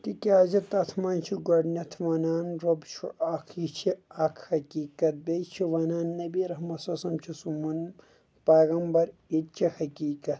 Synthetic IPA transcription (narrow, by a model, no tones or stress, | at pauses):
t̪ikʲaːzɐt̪ɐt̪ʰmaːnt͡ʃʰiɡɐɖnʲɐt̪ʰʋɐnaːnɾobt͡ʃʰṵʔaːkʰit͡ʃʰiɐkʰhɐkʲiːkɐt̪̚bet͡ʃʰiʋɐnaːnːɐbiɾɐɦmɐsɐsɐmt͡ʃʰisumun | pɐːɣɐmbɐɾit̪̚t͡ʃʰihɐkiːkɐt̪